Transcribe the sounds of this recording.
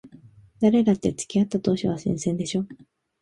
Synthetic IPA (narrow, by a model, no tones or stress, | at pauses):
d̪̥aɾe̞ɡat̪ːe̞t͡sɨ̥kʲiat̪ːat̪o̞ːɕiβasḭ̃ɰ̃sẽ̞nd̪e̞ɕo̞ː